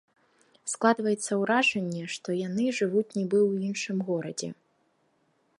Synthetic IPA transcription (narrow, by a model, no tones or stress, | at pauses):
sklˠad̪vɐjɛt̪sːɐwɾaʐɛnʲːɛʂt̪ɔjanɨʐɨvut͡sʲnʲɛbɨwinʂɨmɣɔɾɐ̰d͡zʲɛ̰